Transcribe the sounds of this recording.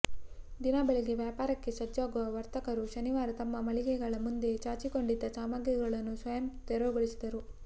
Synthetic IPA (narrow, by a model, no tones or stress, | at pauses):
d̪inabɐɭiɡe̞ʋjaːpaːɾɐkːe̞sɐd͡ʒːaːɡuʋɐʋɐɾt̪ɐkɐɾuʃɐniʋaːɾɐt̪ɐmːɐmɐɭiɡɛɡɐɭɐmund̪e̞t͡ʃaːɾt͡ʃiko̞ɳɖid̪ːɐsaːmaːɡjɐɡɐɭɐnːusʋɐjɐmt̪ɛɾoːɡoɭisid̪ɐɾu